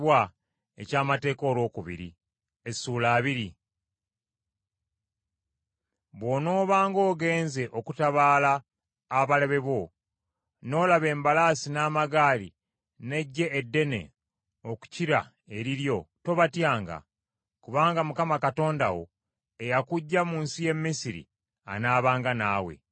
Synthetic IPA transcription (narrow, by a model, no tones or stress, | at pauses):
wa | ecaːmate̞ːko̞ːlwo̞ːkuβḭɾḭ | esuːlaːβiɾi | βwo̞no̞ːβaːŋɡo̞ːɡe̞ːnze̞ʔo̞kutaβaːlaː | βaleβe̞βo̞ | no̞ːlaβe̞ːmbalaːsinaːmaɡaːlḭ | ne̞ɟːe̞ːdːe̞ne̞̰ | o̞ku̥ciɾa̰ | e̞ɾiɾjo̞to̞βatjaːŋɡa̰ | kuβaːŋɡamukamakato̞ːnda̰wo̞̰ | e̞jakuɟːamuːnsije̞mːisiɾḭ | a̰naːβaːŋɡanaːwe̞̰